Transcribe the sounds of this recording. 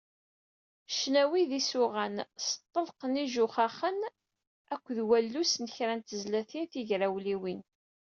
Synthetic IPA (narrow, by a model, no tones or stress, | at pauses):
ʃnæwiðisʊʁænsə̥t̪ˤːəlqəniʒʊχaχən | ækʷːðwælːusnəçɾænt̪əzlæθinθiʝɾæwliwin